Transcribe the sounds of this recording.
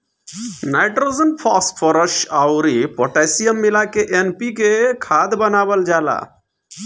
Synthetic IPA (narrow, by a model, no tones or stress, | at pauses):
najʈɾozənpʰɔspʰɔɾəʃaʊɾipoʈasijəmːilakeʔenpikekʰaːd̪bənaːbəld͡ʒala̰